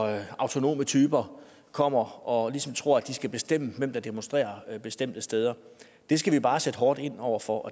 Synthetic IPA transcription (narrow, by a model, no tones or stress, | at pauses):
ɑ̈ʊt͡sʰo̝no̝̰ːmət͡sʰyːb̥ɐ | kʰɒ̽m̰ɐɒ̽lisɒ̽mt͡sʰʁo̝ɐ̰æd̥isɡ̥æb̥e̝sd̥em̰əmem̰d̥ɑd̥emonsd̥ʁḛːɐb̥e̝sd̥em̰d̥əsd̥eːð̞ˠɐ | d̥e̝sɡ̥æʋib̥ɑ̈ːsed̥ɦɒːd̥e̝n̰ɒʊ̰ɐfɒ̽ʔɒ